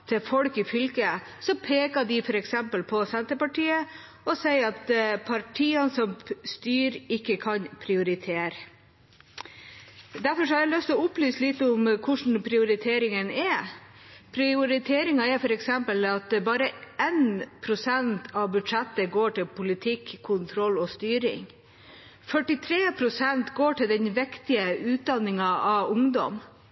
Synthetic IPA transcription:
t̪ʰɛfɔlkɪfʏlkə | sɔpʰeːkɑd̪ɪfɔɾɛksɛmpəlpʰɔsɛnt̪əpɑʈʰiːə | ɔsɛɪɑt̪pʰɑʈʰiːɑnsɔmst̪yːɾɪkːəkʰɑnpʰɾɪʊɾɪt̪ʰeːɾ | d̪æɾfɔɾʂɔhɑɾæɪlœst̪ɔʊplyːslɪt̪ːəʊmkʰʊʂɳ̩pʰɾɪʊɾɪt̪ʰeːɾɪŋənɛɾ | pʰɾɪʊɾɪt̪ʰeːɾɪŋɑɛɾfɔɾɛksɛmpəlɑt̪bɑːɾəenpʰɾʊsɛnt̪ʰɑʋbʉd̪ʂɛt̪ːəɡoːʈɪlpʰʊlɪt̪ʰɪkʰːʊnt̪ʰɾɔlːɔːst̪yːɾɪ̰ŋ | fœʈɪt̪ʰɾeːpʰɾʊsɛnt̪ɡoːʈɪld̪ɛnʋɛkt̪ɪəʉːt̪̚d̪ɑnːɪŋɑɑʊŋd̪ɔ̰m

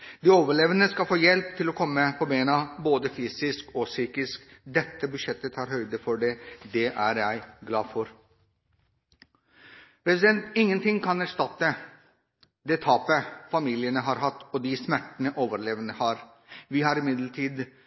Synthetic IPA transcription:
d̪iːoːʋəɭeːʋənəskɑlfoːjɛlpt̪ʰɪlɔkʰɔmːəpʰɔbeːənɑboːd̪əfyːsɪskɔsyːkɪskd̪ɛt̪ːəbʉʂɛt̪ːət̪ʰɑːɾhœʏd̪əfɔɖɛd̪ɛʔæɾjæɪɡlɑːfɔɾ | pʰɾɛsɪd̪ɛnt̪ɪŋːənt̪ʰɪŋkʰɑnæɾʂʈ̪ɑt̪ːə | d̪ɛt̪ʰɑːpəfɑmiːlɪənəɦɑɾɦɑt̪ːɔd̪ɪsmæʈːənəʔoːʋəɾɭeːʋənəhɑːɾ | ʋɪhɑɾɪmɪd̪ləʈʰiːd̪

